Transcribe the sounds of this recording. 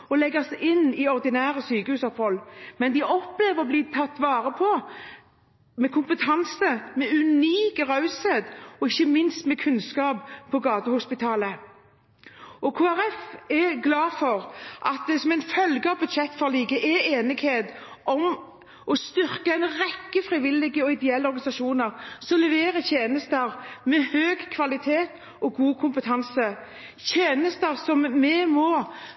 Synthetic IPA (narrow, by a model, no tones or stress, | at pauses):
ɔlɛɡəsʔɪnːɪɔʁd̪ɪnæːʁəsyːkəhʉːsɔphɔlːmɛnd̪ɪʔɔpleːʋəʁɔbliːt̪ʰɑt̪ːʋɑːʁəpʰɔ | mɛkʰʊmpət̪ʰɑnsəmɛʉniːkəʁɑʉseːd̪ɔɪçːəmɪnst̪mɛkʰʉnskɑːppʰɔɡɑːt̪əhʊspɪt̪ʰɑːlə | ɔkʰoːæʁɛfɛɡlɑːfɔʁʔɑt̪̚d̪ɛsɔmɛɪnfœlɡəɑʋbʉd̪ʃɛt̪ːfɔʁliːɡəʔɛeːnɪɡ̥heːd̪ʔɔm | ʔɔst̪ʏɾkəɛɪnʁɛkːəfɾɪʋɪlːɪɡəɔɪd̪ɛɛlːəɔɾɡɑnɪsɑʃuːnəʁsɔlɛʋeːɾəçʰeːnəst̪əɾmɛhøːɡkʰʋɑlɪt̪ʰeːt̪ | ɔɡuːkʰʊmpət̪ʰɑnsə | çʰeːnəst̪əɾsɔmːɛmɔ